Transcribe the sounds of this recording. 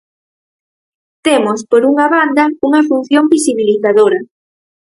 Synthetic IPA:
t̪emospoɾuŋaβand̪ɐuŋɐfun̟θjombisiβiliθaðoɾɐ

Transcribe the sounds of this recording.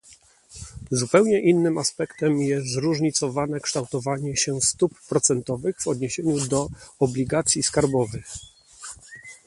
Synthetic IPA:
zupɛwɲɛʔinːɘmaspɛkt̪ɛmjɛsɾuʐɲit̪sɔvanɛkʂt̪awt̪ɔvaɲɛɕɛst̪upːɾɔt̪sɛnt̪ɔvɘɣvɔd̪ɲeɕeɲud̪ɔɔblʲiɡat̪sʲjiskaɾbɔvɘx

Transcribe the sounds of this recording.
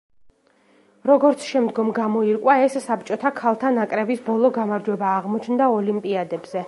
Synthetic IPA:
ɾɔɡɔɾt̪sʰʃɛmd̪ɡɔmɡamɔiɾkʼwaɛsːap̚t͡ʃʼɔt̪ʰakʰalˠt̪ʰanakʼɾɛbisbɔlˠɔɡamaɾd͡ʒwɛbaːʁmɔt͡ʃʰnd̪aɔlimpʼiad̪ɛbz̥ɛ

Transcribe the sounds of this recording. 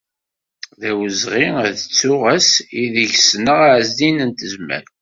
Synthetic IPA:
ðæwəzʁiðət͡sːʊʁæsiðəʝsnəʁaʕzd̪inənt̪əzmæ̰ɾ

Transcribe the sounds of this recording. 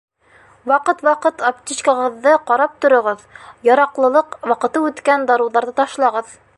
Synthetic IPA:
wɑqɤt̪wɑqɤt̪ɐp̚t̪ʲit͡ɕkɑʁɤ̆ðːɤqɑɾɑp̚t̪ŏɾŏʁɤðjɑɾɑqlˠɤ̆lˠɤqwɑqɤ̆t̪ɤʉt̪kænd̪ɑɾuwðɑɾðɤt̪ɑʃlˠɑʁɤð

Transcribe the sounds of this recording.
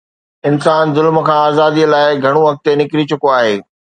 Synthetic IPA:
ɪnsaːnzʊlmə̆kʰãːaːzaːd̪ilaːɪɡʱɐɽ̃uɦɐk̚t̪enɪkɾit͡ɕʊkoaːɦeː

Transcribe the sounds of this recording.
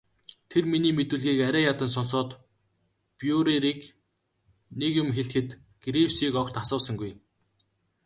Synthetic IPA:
t̪ʰerminiːmet̪uːɮɣiːkæɾʲæːjat̪ə̆ns̬ɔnsɔːt̪ | pjuɾiɾiːk | nekjʊmxeɮxɘ̆t̪ | ɡ̥ɾiwsiːkɔkt̪asə̆ːsə̆ŋɡuj

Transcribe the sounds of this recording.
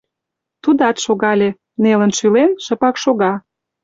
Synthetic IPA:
t̪ud̪ɑt̪ʃoɣɑlʲe | nelənʃylenʃəpɑkʃoɣɑ

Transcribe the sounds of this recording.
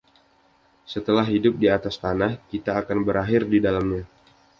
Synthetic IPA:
sət̪əlaɦɦidʊp̚diat̪ast̪anahkit̪aːkanbəɾaɦɪrdidalamɲa

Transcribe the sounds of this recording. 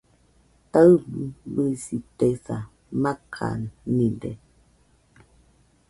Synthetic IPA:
təɰbbəsitɛsa | makʰa̰nːidɛ

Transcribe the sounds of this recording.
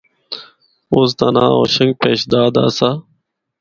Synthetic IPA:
oːs̬t̪anãːoːɕəŋɡ̚peːɕd̪aːd̪a̰ːsaː

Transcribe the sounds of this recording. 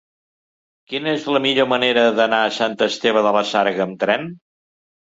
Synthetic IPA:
kinəezləmiʎoməneɾəðənaəsant̪əst̪eβ̞əðələsaɾɣəːmt̪ɾɛn

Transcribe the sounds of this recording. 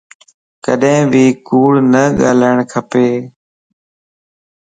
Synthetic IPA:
kəɗɦẽːbiːkuːɽnəɠaːləɪɳ̃kʰəpeː

